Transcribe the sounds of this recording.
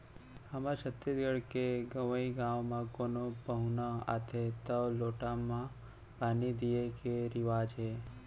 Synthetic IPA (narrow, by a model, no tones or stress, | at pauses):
həmə̃ʃət̪ːet̪ɡəɽkeɡəʋəiɡãʋmãkonopəɦunəa̰t̪ʰet̪əʋloʈamã | panid̪iekeɾɪʋaːd͡ʒɦe